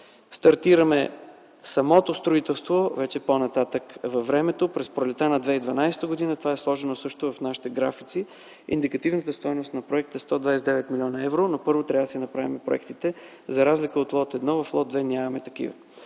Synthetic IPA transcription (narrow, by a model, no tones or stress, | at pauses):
st̪ɐɾt̪iɾɐmɛ | sɐmɔt̪ost̪ɾoit̪ɛlˠst̪vovɛt͡ʃɛponɐt̪at̪əkvɐvːɾɛmɛt̪opɾɛspɾolɛt̪anɐd̪vɛid̪vɐnajsɛ̥t̪əɡod̪inət̪ovaɛslˠɔʒɛnosɤʃt̪ovɐfnaʃi̥t̪ɛɡɾafit̪si | ḭnd̪ikɐt̪ivnət̪əst̪ɔjnost̪nɐpɾoɛk̚t̪əɛst̪ɔd̪vajsɛd̪ɛvɛt̪milʲɔnɐɛvɾonopɤɾvot̪ɾʲavəd̪sinɐpɾavimɛpɾo̰ɛ̰kt̪it̪ɛ | zɐɾazlikəot̪lˠɔt̪ɛd̪nɔvɐflˠɔt̪̚d̪vɛnʲamɐmɛt̪ɐkḭvɐ̰